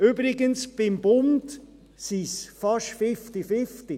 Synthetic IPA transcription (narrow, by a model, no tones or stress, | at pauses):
yːbɾɪɡənsb̥ɪmb̥ʊmt | sisfɑʃfɪftifɪfti